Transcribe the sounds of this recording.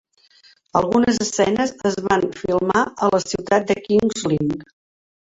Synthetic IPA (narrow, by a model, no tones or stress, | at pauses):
əlˠɣunəzəsɛnəzəzβanfilˠmaələsiwt̪at̪̚d̪əkiŋzlin